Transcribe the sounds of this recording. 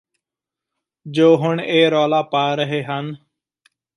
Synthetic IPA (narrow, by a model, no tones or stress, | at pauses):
d͡ʒoːɦʊɳeːɾoːlaːpaːɾəɦeːɦən